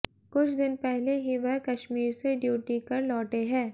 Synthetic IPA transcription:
kʊt͡ʃʰd̪ɪnpɛɦleɦiʋɐɦkɐʃmiːɾseɖjuːʈikɐɾlɔːʈeɦɛ̃ː

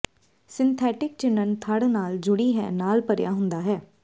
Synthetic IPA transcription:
sɪnt̪ʰɛːʈɪk̚t͡ʃɪnːənt̪ʰaːɽnaːld͡ʒʊɽiːɦɛ̰ːnaːlpəɾja̰ːɦʊ̃nd̪aːɦɛː

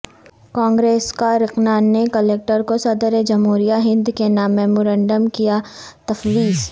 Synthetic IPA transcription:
kãːŋɡɾeːskaɾɪqnaːnːekɐleːk̚ʈəɾkosɐd̪əɾed͡ʒɐmɦuːɾijaɦɪ̃nd̪kenaːmːɛːmoːɾɛ̃ːɳɖəmkija | t̪ɐfwiːz

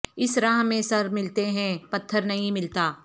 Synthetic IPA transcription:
ɪsɾãːɦmẽsɐɾmɪlt̪eɦɛ̃pɐt̪ʰːəɾnɐɦĩmɪlt̪aː

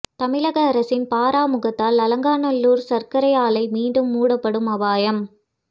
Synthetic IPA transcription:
t̪ɐmɪlɐɣɐːɾɐsɪnpaːɾaːmʊɣɐt̪ːaːlɐlɐŋɡaːnɐlːuːɾsɐɾkɐɾɐjaːlɐɪmiːɳɖɯmːuːɽɐpːɐɽɯmɐʋaːjɐm

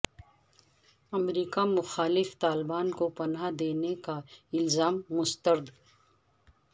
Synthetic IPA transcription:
ɐmɾiːkamʊxaːlɪft̪aːlbaːnkopɐnad̪eːnekaɪlzaːmːʊst̪əɾd̪

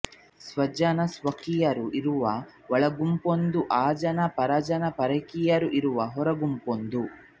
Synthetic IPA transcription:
sʋɐd͡ʒɐnɐsʋɐkijɐɾuʔiɾuʋɐ | ʋɐɭɐɡumpond̪uʔaːd͡ʒɐnɐpɐɾɐd͡ʒɐnɐpɐɾɐkijɐɾuʔiɾuʋɐɦɔɾɐɡumpond̪u

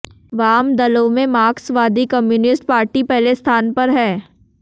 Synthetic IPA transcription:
ʋaːmd̪ɐlomẽmaːksʋaːd̪ikɐmjuːnɪsʈpaːɾʈipɛɦlest̪ʰaːnpɐɾɦɛː

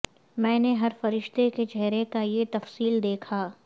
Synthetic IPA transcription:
mɛ̃ːneɦɐɾfɐɾɪʃt̪eket͡ʃɛɦɾekajet̪ɐfsiːld̪eːkʰaː

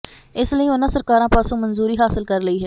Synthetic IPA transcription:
ɪsləiːʊnãːsəɾkaːɾãːpaːsõːmənzuːɾiːɦaːsɪlkəɾləiːɦɛː

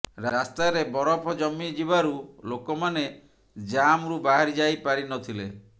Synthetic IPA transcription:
ɾaɾast̪aɾebɔɾɔpʰɔd͡ʒɔmːid͡ʒibaɾulokɔmane | d͡ʒamɾubaɦaɾid͡ʒajpaɾinɔt̪ʰile

